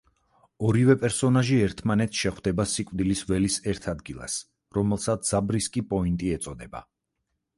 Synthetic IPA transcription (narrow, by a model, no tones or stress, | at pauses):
ɔɾivɛpʼɛɾsɔnaʒiɛɾt̪ʰmanɛt̪sʃɛχwd̪ɛbasikʼvd̪ilisvɛlisɛɾt̪ʰad̪ɡilˠa̰s | ɾɔmɛlˠsat̪sz̥abɾiskʼipʼɔint̪ʼiɛt̪sʼɔd̪ɛba̰